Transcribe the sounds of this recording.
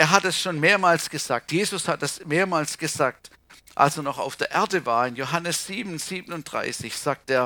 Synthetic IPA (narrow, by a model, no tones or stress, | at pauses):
ʔeːɐɦatdɛsʃoːnmeːɐmaːlsɡ̥əzaːk̚tjeːzʊshat̚dasmeːɐmaːlsɡ̥əzaːk̚t | ʔa̰lseːɐnɔχa̰ʊfd̥eːɐʔeɐdəvaːɐɪnjoɦanəsz̥iːbn̩z̥iːbənʊnt̚d̥ʁa̰ɪsɪçz̥aːk̚teːɐ